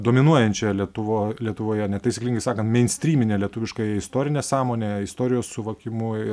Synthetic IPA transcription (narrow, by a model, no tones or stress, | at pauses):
d̪oːmʲɪnuɔjɛnʲt͡ʃʲɛlʲiɛt̪ʊʋoːlʲiɛt̪ʊʋoːjɛnʲɛt̪ɐɪsʲɪklʲiŋɡɐɪsɑːkɐnt̪mʲɛɪnʲsʲt̪ʲɾʲiːmʲɪnʲeːlʲɛt̪ʊʋʲɪʃkɐɪst̪oːɾʲɪnʲeːsɑːmoːnʲeːɪst̪oːɾʲɪjoːssʊʋɐkʲɪmʊ